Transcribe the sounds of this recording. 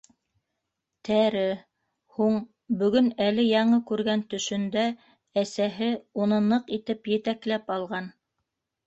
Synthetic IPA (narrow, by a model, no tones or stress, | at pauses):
t̪ʰæɾɘ | huɴ | bɵ̆ɡɵnælɘjɑɴɤkʉɾɡænt̪ɵ̆ʃɵ̆nd̪æ | æsæɦɘunɤ̆nɤqit̪ɘpjɘ̆t̪æklæpɑlˠʁɑn